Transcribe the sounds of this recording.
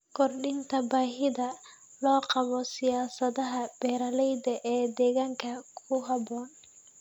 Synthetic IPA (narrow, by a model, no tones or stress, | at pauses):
kʰɔrɖɪnt̪ʰɐbaːɦɪðɐ | lɔːqɑβɔsɪjaːsɐðɐɦɐb̥ɛːɾɐlɛjd̪ɐʔɛːd̪ɛːɣaːŋkʰɐkʰʊɦɐbɔːn